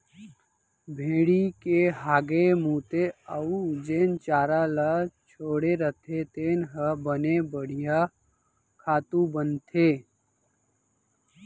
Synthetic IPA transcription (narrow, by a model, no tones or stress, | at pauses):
bʱeːɽikeɦaːɡemuːt̪eəud͡ʒeːnt͡ʃaːɾalat͡ʃʰoːɽeɾət̪ʰet̪eːnɦəbənebəɽ̤ija | kʰaːt̪ũbənt̪ʰeː